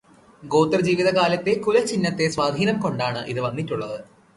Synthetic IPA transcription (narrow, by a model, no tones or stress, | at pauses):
ɡo̞ːt̪ːɐrd͡ʑiːʋiðɐkaːlɐt̪ːe̞kulɐt͡ɕinːɐt̪ːe̞sʋaːd̪ʱiːnɐmko̞ɳɖaːɳɨʔiðɨʋɐnːitːuɭːɐðɨ